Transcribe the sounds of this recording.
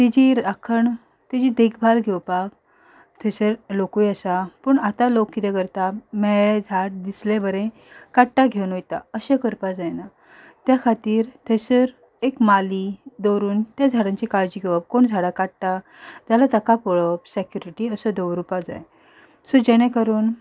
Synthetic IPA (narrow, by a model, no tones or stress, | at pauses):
t̪id͡ʑiɾakʰəɳ | t̪id͡ʑid̪ekʰbʱalɡʱewpak̚ | t̪ʰesəɾlokujəsapəɳat̪alokːit̪ɛkəɾt̪amɛɭed͡zʱaʈ̚d̪islebəɾẽ | kaʈʈaɡʱewnojt̪a̰əɕekəɾpad͡zajna | t̪jakʰat̪iːɾt̪ʰesəɾ | ekmalid̪ɔwɾuːnt̪jad͡zʱaɽãɲt͡ɕikaɭd͡ʑiɡʱeʋap̚koɳd͡zʱaɽakaɽʈa | t̪jalat̪əkapɔɭəpsɛkjuɾiʈiːəsəd̪əʋɾupad͡za̰j | sɔd͡ʑɛɽ̃ẽkəɾuːn